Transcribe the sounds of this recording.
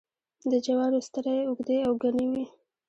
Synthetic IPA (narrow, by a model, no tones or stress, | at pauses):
d̪əd͡ʒawɑɽost̪əɾajʊɡd̪eawɡaniwi